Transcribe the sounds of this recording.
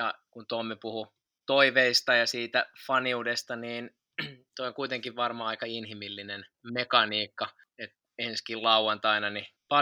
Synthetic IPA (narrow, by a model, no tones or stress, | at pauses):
jɑkunt̪omːepuhu | t̪oiʋeist̪ɑjɑsiːt̪æfɑniudest̪ɑniːn | t̪oioŋkuit̪eŋkiʋʋɑrmɑːɑikɑinhimilːinenmekɑniːkːɑ | et̪ | enskillɑuwɑnt̪ɑinɑnipɑ